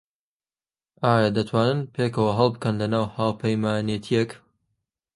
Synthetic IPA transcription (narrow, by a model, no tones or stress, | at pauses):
ʔaːjad̪ɐt̪ʰwaːnɨnpʰekɐwɐɦɐlˠbɨkɐnlɐnaːwhaːwpʰɐjmaːnjet̪ʰijek